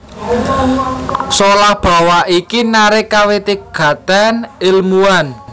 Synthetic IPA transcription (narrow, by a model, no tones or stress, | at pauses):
solahb̥a̤waikinaɾɪkawet̪iɡ̥ä̤t̪anɪlmuan